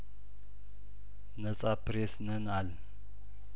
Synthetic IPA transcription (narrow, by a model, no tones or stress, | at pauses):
nət͡sʼapɾesnənal